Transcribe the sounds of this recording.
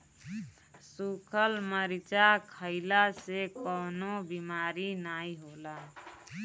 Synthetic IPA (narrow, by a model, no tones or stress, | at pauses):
sukʰəlməɾit͡ʃakʰəɪlasekɔnobimaɾinaiɦola